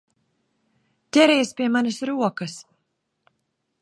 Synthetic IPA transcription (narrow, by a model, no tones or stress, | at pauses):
t̪ʲɛɾɛjspiɛmanɐsɾuɔkɐs